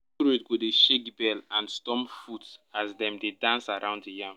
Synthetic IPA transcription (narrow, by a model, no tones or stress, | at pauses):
ɾetɡodeʃekbɛlãnstɔ̃mfutazdɛ̃mdedãnsaɹãʊ̃nddijãm